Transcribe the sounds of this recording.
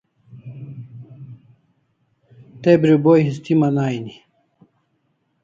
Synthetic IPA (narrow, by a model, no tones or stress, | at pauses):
t̪ebɾibojɦist̪imanaːjni